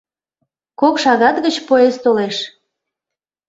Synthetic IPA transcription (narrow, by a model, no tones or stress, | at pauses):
kokʃɑɣɑt̪ɣət͡ɕpoest̪oleʃ